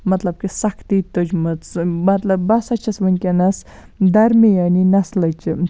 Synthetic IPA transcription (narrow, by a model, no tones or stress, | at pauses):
mɐt̪lɐb̚kisɐkʰt̪it̪od͡ʒmət͡smɐt̪lɐbːɐsɐt͡ʃʰɐsʋənʲkʲenɐs | d̪ɐɾmejɐninɐslɐjt͡ʃɨ